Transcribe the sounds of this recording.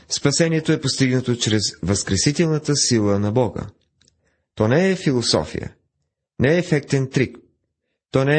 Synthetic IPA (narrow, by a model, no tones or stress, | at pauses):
spɐsɛniɛt̪oɛpost̪iɡnət̪ot͡ʃɾɛzvɐskɾɛsit̪ɛlˠnɐt̪əsilˠənɐbɔɡə̰ | t̪ɔnɛɛfilˠosɔ̰fḭjə̰ | nɛɛːfɛk̚t̪ɛnt̪ɾik | t̪ɔnɛ